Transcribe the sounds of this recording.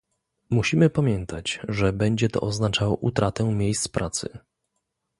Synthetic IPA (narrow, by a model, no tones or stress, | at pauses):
muɕimɘpamʲjɛnt̪ʰat͡ɕʐɛbɛɲd͡ʑɛt̪ɔ̰ʔɔznat͡ʂawɔʔut̪ɾat̪ɛ̃mʲjejst̪spɾʔat̪sɘ̰